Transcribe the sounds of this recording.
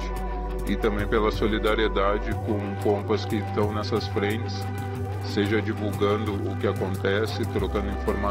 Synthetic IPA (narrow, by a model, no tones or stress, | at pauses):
t͡ʃɪ | ɪt̪ɐ̃mbẽj̃pelɐsolid̪aɾied̪ad͡ʒɪkõw̃kõmpɐskɪst̪ɐ̃w̃nɛsɐsfɾẽt͡ʃɪ̥sː | eʒɐd͡ʒivuɡɐ̃nd̪ʊʔʊkɪakõnt̪ɛsɪt̪ɾokɐ̃nd̪ʊĩfoɾma